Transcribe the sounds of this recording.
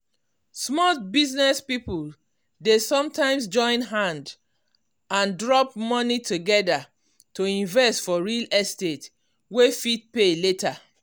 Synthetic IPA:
smɔtbiznɛspipul | desɔ̃mtãɪ̃ms̬d͡ʒɔ̃ɪ̃nɦãnd | ãndɹɔpmɔnitʰuɡɛda | toĩnvɛstfɔɹilɛstet | wefit̚peletʰa

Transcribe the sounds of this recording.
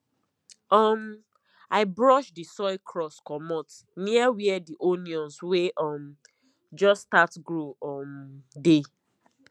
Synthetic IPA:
ɔm | aɪbɹɔʃdisɔɪkʰɹɔskɔmɔt | niawiɛdiʔoniɔ̃nsweʔɔm | d͡ʒɔstatɡɹoɔmde

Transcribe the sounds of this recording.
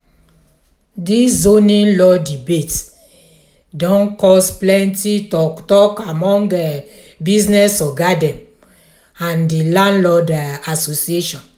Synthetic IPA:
diszonĩnlɔdibet | dɔ̃nkɔsplɛ̃ntitɔtɔkamɔ̃ŋɛ | bisnɛsɔɡadɛ̃m | ãndilãnlɔdɛasosieʃɔ̃n

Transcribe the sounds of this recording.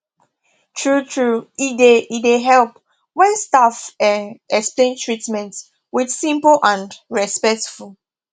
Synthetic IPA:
tʰɹutʰɹuideideɦɛlp | wɛ̃nstafɛɛksplẽntʰɹitmɛ̃nts | widsĩmpl̩ʔãndɹɛspɛk̚tfulˠ

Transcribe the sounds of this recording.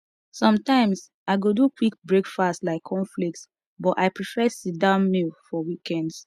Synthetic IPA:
sɔ̃mtãɪ̃ms | aɪɡodukʰwik̚bɹekfastlaɪkʰːɔ̃ɱflik̚ts | bɔtaɪpɹifɛsit̚dãʊ̃nmilfɔwikɛ̃nds

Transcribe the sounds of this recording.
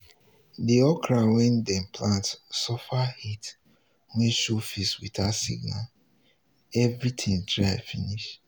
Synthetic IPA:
diɔkɾawɛ̃ndɛ̃npʰlãntsɔfahit | wẽʃufiswḭtasḭɡna̰l | ɛvɹitʰĩŋtɾafiniʃ

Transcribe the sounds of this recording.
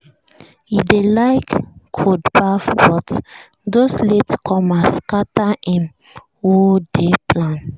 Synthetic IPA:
jidelaɪkːʰodpafbɔt | dosletkʰɔ̃maskataʔĩn | wodeplãn

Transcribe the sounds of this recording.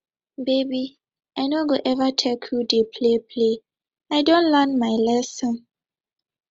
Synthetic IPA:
bebi | ajnoɡoʔɛvatʰɛkʰjudepʰlepʰle | ajdõntlɛnmajlɛsɔ̃n

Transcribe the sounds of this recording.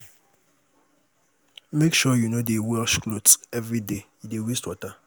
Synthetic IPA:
mekʃɔjunodewɛlʃklodsɛvɹide | dewistwɔta

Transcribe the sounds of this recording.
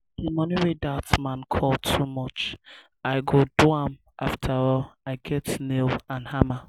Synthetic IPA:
imɔniɹedatmãnkʰɔltʰumɔt͡ʃ | aɪɡodwam | ʔaftʰəɹɔlaɪɡɛtnelãnhama

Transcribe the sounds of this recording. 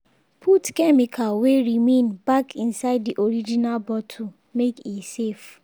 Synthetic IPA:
pʰutkɛmikʰaweɹimẽnbakʰĩnsaɪddiʔoɾid͡ʒinalbɔtʰu | mekisef

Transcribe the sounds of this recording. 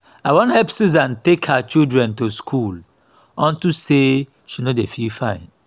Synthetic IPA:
aɪwõnhɛpsuzãntekhat͡ʃildɹɛ̃ntuskʰul | ɔ̃ntuse | ʃinodefilfãɪ̃n

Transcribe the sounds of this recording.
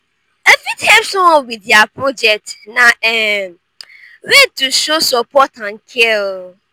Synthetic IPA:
efithɛmsʊɔwidiapʰɾod͡ʒɛk̚tnãɛ | ɾetuʃosɔpʰɔtʰãnkʰɛl

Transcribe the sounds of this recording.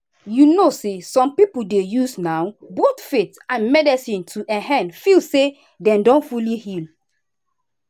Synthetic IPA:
junosesɔ̃mpipuldejusnawbotfetãnmɛdɛsĩntʰuʔɛ̃ɦɛ̃nfilse | dɛ̃mdɔ̃nfulihil

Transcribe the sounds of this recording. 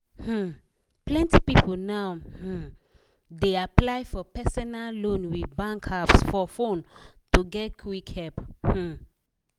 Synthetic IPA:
hm̩ | plɛ̃ntipipʰɔlnawh̩ | deaplajfɔpɛsɔnallõnwibãŋkʰapsfɔfõntuɡɛt̚kʰwikʰhɛphm̩

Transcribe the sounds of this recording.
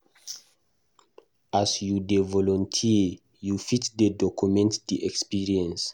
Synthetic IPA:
asjudevɔlɔ̃ntʰi | jufitdədɔkumɛ̃ntdiʔɛkspiɹiɛ̃ns

